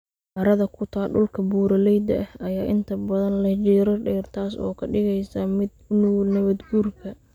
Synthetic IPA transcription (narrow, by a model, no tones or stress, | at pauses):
ʔɐɾɐðɐkʰʊt̪ʰaːɖʊlkʰɐbuːɾɐlɛjd̪ɐ̰ʔɐhɐjaːʔɪnt̪ʰɐbɐðɐnlɐt͡ʃɛːɾɐɖɛːrt̪ʰaːsɔ̰ːkʰɐɖɪɣɛjsɐmɪd̪ʊnʊnɐβɐd̪ɡuːrkʰɐ